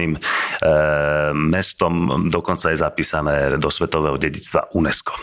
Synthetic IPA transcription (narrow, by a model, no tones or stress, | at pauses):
iːm | ɛst̪ɔmd̪ɔkɔnt͡sajɛzapiːsanɛːd̪ɔsʋɛt̪ɔʋɛːɦɔɟɛɟit͡st̪ʋa̰ʔunɛskɔ̥